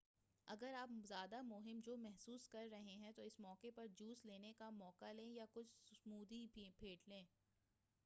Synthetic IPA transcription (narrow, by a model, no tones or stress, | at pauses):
ɐɡəɾaːpzjaːd̪amʊɦɪmd͡ʒoːmɛɦsuːskɐɾːɐɦẽɦɛ̃t̪oɪsmɔːkepɐɾd͡ʒuːsleːnekamɔːkalẽːjakʊt͡ʃʰsmuːd̪ibʱibʰʱeːʈʰlẽː